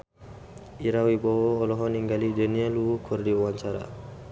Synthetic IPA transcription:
iɾawibɔwoːlɔɦɔniŋɡalidəniəluukʰurdiuwaɲt͡ʃaɾa̰

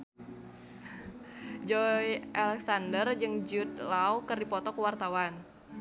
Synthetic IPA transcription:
d͡ʒɔjʔalɛksandərd͡ʒɨŋd͡ʒut̪̚lawkərdipɔt̪ɔkəwart̪awan

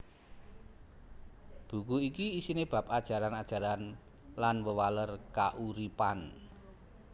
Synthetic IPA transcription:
b̥ṳkuikiːsineb̥a̤pad̥ʒ̥a̤ɾanad̥ʒ̥a̤ɾan | lanwəwalərkaʔuɾipan

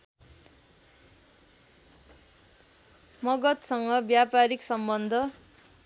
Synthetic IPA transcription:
mʌɡʌt̪sʌŋɡʌbjapaɾiksʌmbʌnd̪ʱʌ

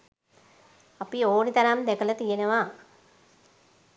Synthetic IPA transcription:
ɐpioːnit̪ɐɾamd̪ekɐlɐt̪ijenɐʋaː

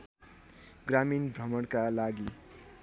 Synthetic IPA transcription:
ɡraminbrʌmʌɽkalaɡi

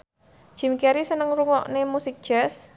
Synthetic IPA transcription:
ʒ̥i̤mkɛɾisənəŋruŋɔʔnemusɪk̚d̥ʒ̥ɛs

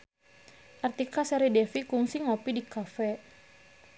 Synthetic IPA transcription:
ʔart̪ikasɛɾidɛfikuŋsiŋopidikafɛ

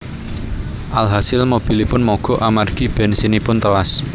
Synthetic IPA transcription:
ʔalɦasɪlmob̥i̤lipʊnmɔɡ̥ɔ̤ʔamarɡ̥i̤b̥ɛ̤nsinipʊnt̪əwas

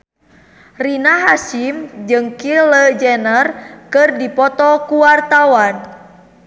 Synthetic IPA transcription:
rinaɦasimd͡ʒɨŋkiləd͡ʒɛnərkɨrdipɔt̪ɔkuwart̪awan

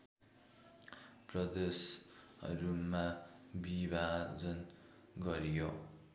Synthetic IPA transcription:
prʌd̪esʌ̰ɾumabibʱad͡zʌn | ɡʌɾijo

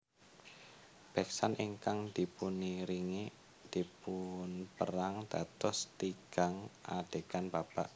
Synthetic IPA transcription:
b̥ɛk̚saniŋkaŋd̪̥i̤puniɾiŋi | d̪̥ipʊnpəɾaŋd̪̥a̤t̪ɔst̪iɡ̥aŋa̰ɖ̪̥e̤kanbab̥aʔ

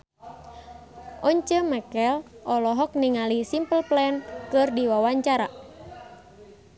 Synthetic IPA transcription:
ʔɔɲt͡ʃəmɛkɛlʔɔlɔɦɔk̚niŋalisimpəlplɛnkɨrdiwawaɲt͡ʃaɾa

